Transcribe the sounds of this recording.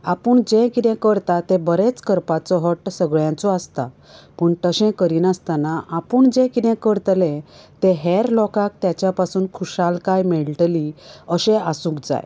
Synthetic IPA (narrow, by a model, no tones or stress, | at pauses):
apəɳd͡ʑẽkit̪ɛ̃kəɾt̪at̪ẽbəɾet͡skəɾpat͡sɔɦɔʈsəɡɭjãt͡sɔast̪a̰ | pəɳʈ̪əɕɛ̃kəɾiːnast̪anaʔapəɳd͡ʑẽkit̪ɛ̃kəɾt̪lẽt̪ẽɦɛɾlɔkak̚t̪jat͡ɕjapasuːnkʰuɕalkajmeɭʈliəɕẽasũːkd͡za̰j